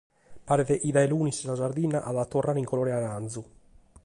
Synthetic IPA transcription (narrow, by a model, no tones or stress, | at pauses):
paːɾɛðɛʔiðajluːnissazaɾd̪inːaʔaðat̪ːɔrːaːɾiŋkoloːɾɛanand̪zu